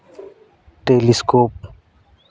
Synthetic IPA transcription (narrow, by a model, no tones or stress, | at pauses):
ʈeliskoːp̚